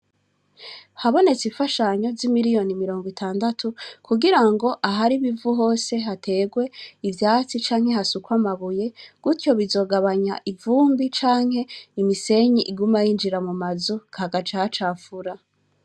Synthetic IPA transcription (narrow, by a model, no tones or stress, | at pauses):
haβo̞ne̞t͡sifaʃaɲo̞zimiɾijo̞nimiɾo̞ːŋɡwitʰaːndatʰukuɡiɾaŋɡo̞ʔaɦaɾiβivuɦo̞ːse̞ɦatʰe̞ɡwe̞ivjaːt͡sit͡ʃaːŋhe̞ɦasukwamaβuje̞ɡ̥utjo̞βizo̞ɡaβaɲa̰ʔivuːmbit͡ʃaːŋhe̞imise̞ɲiʔiɡumajind͡ʒiɾamumazukhaɡat͡ʃat͡ʃaːfuɾa